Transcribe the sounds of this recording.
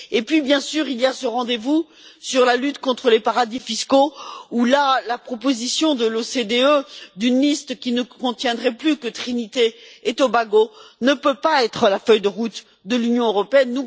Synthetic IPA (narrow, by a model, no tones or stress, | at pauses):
epɥibjɛ̃syʁilijasəʁɑ̃d̪evu | syʁlalyt̪kɔ̃t̪χəlepaʁad̪ifiskoulalapχɔpozisjɔ̃d̪əlosed̪eød̪ynlist̪kʲinəkɔ̃t̪jɛ̃d̪ʁɛplykət̪χinit̪eːt̪obaɡonəpøpaɛt̪χəlafœjd̪əʁut̪ | d̪əlynjɔ̃øʁɔpeɛnːu